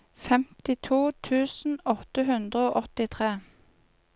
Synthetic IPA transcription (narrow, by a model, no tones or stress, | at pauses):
fɛmt̪ɪt̪ʰuːt̪ʰʉːsn̩ɔt̪əɦʉnd̪ʁəoːʔɔt̪ɪt̪ʰʁeː